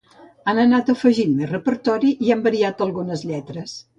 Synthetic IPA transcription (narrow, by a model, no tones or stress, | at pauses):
anənat̪əfəʒinmerəpəɾt̪ɔɾiʔiambəɾiat̪əlˠɣunəzʎɛt̪ɾəs